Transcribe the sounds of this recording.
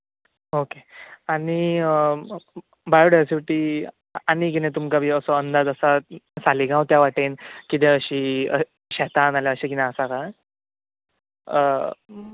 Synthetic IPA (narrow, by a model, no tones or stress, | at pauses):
okeani | bajoɽasiʋiʈiː | anikinẽt̪umkabʱiːəsɔənd̪ad͡zəsasaliɡãwt̪jaʋaʈenkit̪̬ẽəɕiːə̰ | ɕɛt̪analjaəɕikinãəsaka